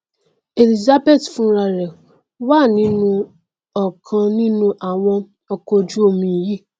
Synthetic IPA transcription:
e˨li˦za˦be˦˨tfũ˦ɾa˧ɾɛ˨ | wa˦˨nĩ˨˦nũ˧ | ɔ˨kʰã˧nĩ˦nũ˦ʔa˨w̃ɔ̃˧ | ɔ˧ko˧d͡ʒu˦o˦˧mĩ˧˨ji˦˨

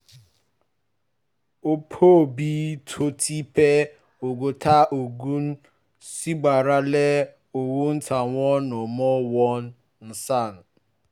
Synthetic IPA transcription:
o˦pʰo˦˨bi˦tʰo˦tʰi˦pe˦ | o˨ɡo˨tʰa˦ʔo˨ɡu˦n̩˦ | si˦ɡ͡ba˨ɾa˦le˦ | o˨wo˦n̩˦tʰa˨ŋʷɔ˦nʊ˨mɔ˦wɔ˦n̩˦ | n̩˦sa˦˨n̩˨

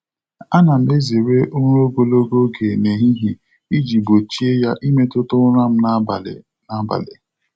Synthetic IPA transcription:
a˦na˨n̩˦e˦ze˨ɾe˦ʔo˦ŋ˦ɾo˦ɡo˦lo˦ɡo˦ɡe˨ne˨ɦi˦ɦi˨ | i˦d͡ʒi˨bo˨t͡ʃi˦e˦ja˦ʔi˦me˦tʊ˦tʊ˦ɾa˦m̩˦na˦˨l | na˨˦ba̰˨lḛ˨

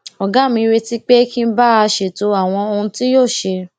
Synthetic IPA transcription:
ɔ˨ɡã˨˦mĩ˧ɾe˧ti˦k͡pe˦kĩ˦n̩˦ba˦a˧ʃe˨to˧˦a˦˨w̃ɔ̃˧o˧ũ˧ti˦joː˦˨ʃe˧

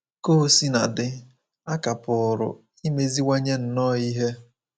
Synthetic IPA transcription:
ko˦˨si˦na̰˨dɪ˦ | a˦ka˨pʊ˨ɾʊ̰˨ | i˦me˦zi˦wa˦ɲe˦n̩˨nɔ˦˨i˦ɦe˦

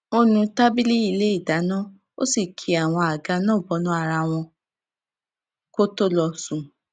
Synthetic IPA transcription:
o˦nũ˧ta˦bi˦li˦i˧le˦i˦˨da˨˦nã˦ | o̰˦si˦˨kʰi˨˦a˨w̃ɔ̃˧a˨ɡa˧nãː˦˨bɔ˧˦nũ˦a˦˨ɾa˧w̃ɔ̃˧ | ko˦to˦lɔ˧sũ˨

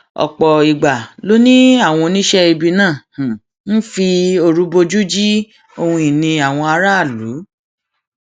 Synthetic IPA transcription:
ɔ̰˨k͡pɔ˨i˨ɡ͡ba˨lo˦nĩ˦a˦˨w̃ɔ̃˧nĩ˦ʃɛ˦i˧bi˧nãː˦˨ | n̩˦fi˧o˧ɾu˨˦bo˧d͡ʒu˦d͡ʒi˦ | o˧hũ˧i˨nĩ˧a˨w̃ɔ̃˧a˧ɾa˦a˦˨lu˨˦

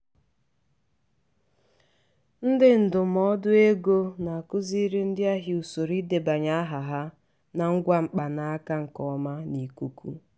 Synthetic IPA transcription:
n̩˦dɪ˦n̩˨dʊ˨mɔ˦dʊ˦e˦ɡo˦na˨a˨kʊ˦zi˦ɾi˦n̩˦dɪ˦a˦ɦi˨u˨so˨ɾi˦de˨ba˨ɲa˦a˦ɦa˨ɦa˦ | na˨ŋ̩˦ɡʷa˦ŋ͡m̩˨k͡pa˨na˨a˦ka˦ŋ̩˨kɔ˦ma˦ni˨ku˦kṵ˦

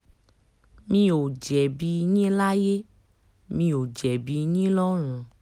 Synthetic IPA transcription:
mĩ˧o˨d͡ʒɛ˨bi˧nĩ˦la˦je˦ | mĩ˧o˨d͡ʒɛ˨bi˧nĩ˦lɔ˦ɾ̃ũ˨˧

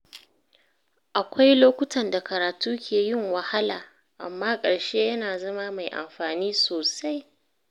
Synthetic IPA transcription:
ʔa˨kʷa˦jloː˦kʷʊ˦tʰɐ˨nda˨kɐ˨ɾaː˨tuː˦kʲʰeː˨jɪ˦ŋwɐ˨ha˦laː˨ | ʔa̰˨mːaː˦kʼɐ˨ɽʃeː˦jɐ˦naː˨zɐ˦ma˦ma˨jʔa̰˨mɸaː˨niː˦soː˨sa˦j

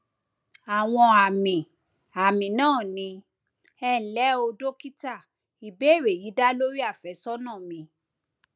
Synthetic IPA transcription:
a˨w̃ɔ̃˧a˨mĩ˨ | a˨mĩ˨nãː˦˨nĩ˧ | ɛ˧˨lɛ˨˦o˧do˦ki˦ta˦˨ | i˨be˨˦˨ɾe˨ji˨˦da˦lo˦ɾi˦a˦˨fɛ˨˦sɔ˦nãː˦˨mĩ˨˦

